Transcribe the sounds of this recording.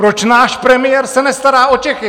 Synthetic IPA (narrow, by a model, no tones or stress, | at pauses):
pɾo̞t͡ʃnaːʃpɾɛmɪjɛɾsɛnɛst̪aɾaːo̞t͡ʃɛxɪ